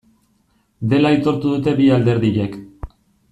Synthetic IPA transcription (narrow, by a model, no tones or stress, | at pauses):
d̪e̞lait̪o̞ɾt̪uðut̪e̞biald̪e̞ɾðiʎe̞k